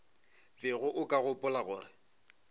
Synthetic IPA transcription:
vɪɣʊʔʊkʼaɣʊpʼʊlaɣʊːrɪ

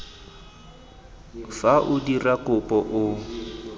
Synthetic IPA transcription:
faʔʊdirakʊpʼɔʔʊ

